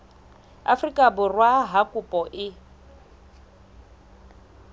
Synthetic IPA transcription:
a̰frikʼabʊrwaɦakʼupʼɔʔɪ

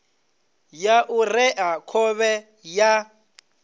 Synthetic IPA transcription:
jaʔurɛʔakʰɔβɛ | ja

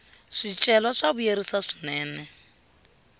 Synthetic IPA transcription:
ʂit͡ʃʼɛlɔʂaβujeɾisaʂi̥nɛːnɛ

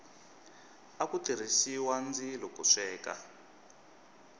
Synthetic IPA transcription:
akutir̤isiwand͡zilɔkuʂɛːka̰

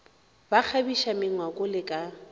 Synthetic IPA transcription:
bak͡xʰabiʃamɪŋwakʼʊlɪkʼa

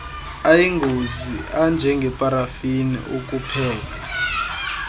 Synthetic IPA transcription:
ajiŋɡʱoziʔand͡ʒʱɛŋɡʱɛpʼaɾafinḭʔok̬ʼupʰɛːk̬ʼa

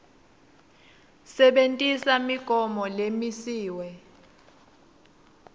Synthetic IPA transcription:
sɛɓentʼisamiɡ̥ʱɔmɔlemisiːwɛ

